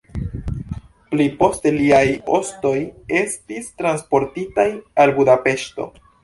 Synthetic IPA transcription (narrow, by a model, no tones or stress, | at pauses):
plipo̞ste̞liajo̞sto̞je̞stistɾanspo̞ɾtitajalbudape̞ʃto̞̰